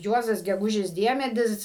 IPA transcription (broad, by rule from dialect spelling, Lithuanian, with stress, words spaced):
ˈjuɔzɐs ɡʲɛˈɡʊʒʲɪs ˈdʲiɛmʲɛdʲɪs